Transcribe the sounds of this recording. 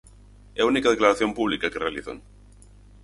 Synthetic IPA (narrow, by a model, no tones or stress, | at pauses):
ɛunikað̞eklaɾaθjompuβ̞likakerealiθa̰n